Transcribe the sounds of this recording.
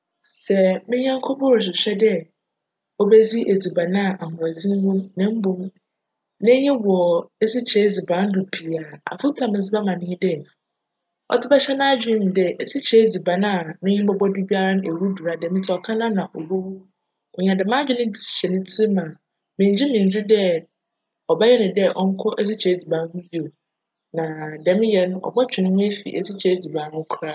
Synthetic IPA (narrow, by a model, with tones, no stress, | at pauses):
sɛ˨mɪ̃˦ɲã˦ŋ˦kʰo˦pɔ˦ɾs̬ɪ˨ɕᶣɛ˦dɛ˦ | o˦be˦d͡zi˦ʔe˨d͡zi˨ba˨nã˦˨ʔa˨hʊ̃˨a˨d͡zi˦m˦hʊ̃˦mnã˦m̩˦bõ˦m | nã˦ɲɪ̃˦wɔ˨e˦si˦t͡ɕʰɛ˦zi˨bã˨˦n̩˦dʊ˨pʰi˨a˨a̰˨fʊ˦tʰã˨mɪ̃˨s̬ɪ˦ba˦mã˨nɪ̃˦ɲɪ̃˦dɛ˦˨ñ˨ | ɔ̰˨tʰɪ˦bɛ˦ɕɛ˦nã˦d͡ʑᶣĩ˦m˨dɛ˨e˦si˦t͡ɕʰɛ˨˦d͡zi˨ba˨nã˦˨nʊ̃˦ɲɪ̃˦bɔ˦bɔ˦du˦bi˦a˦ɾa˦ñ˦ʔe˨wu˦du˨ɾa˦dɛ̃˨mɪ̃˦tʰi˦˨ɔ˨kʰã˦nã˦nã˨ʔo˨bo˦wu˦ | ɔ˨ɲã˨dɪ˨mã˦d͡ʑᶣɪ˦nɪ̃˦˨ɛ˨nɪ̃˦tʰi˦mã˨ | mɪ̃˨˦d͡ʑi˦mɪ̃˨n˨d͡zi˦dɛ˦ | ɔ˨ba˦jɛ˦nʊ̃˨dɛ˦ʔɔ˦ŋ̩˦kʰɔ˦ʔɛ˦s̬i˦t͡ɕʰɛ˨˦d͡zi˨bã˨n˦nũ˦bi˦o˨ | nã˨dɛ̃˨˦mɪ̃˦jɛ˦nʊ̃˦ɔ̰˨bɔ˦t͡ɕᶣɪ˨nʊ̃˦m̃˦e˦fḭ˨ʔḛ˨si˦t͡ɕʰɛ˦d͡zi˨bã˨˦n˦kʰɾa˦